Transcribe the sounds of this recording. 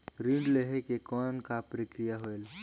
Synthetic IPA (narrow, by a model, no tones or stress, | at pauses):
ɾiɳɖleɦekekɔːnkapɾikɾijaɦoel